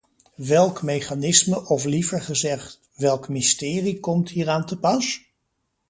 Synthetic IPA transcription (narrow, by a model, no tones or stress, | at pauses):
ʋɛlˠkmejχaːnɪsməʔɔflivəɹχəzɛχt | ʋɛlˠkmɪstɪːrikɔmtɦiːɹaːntəpɑs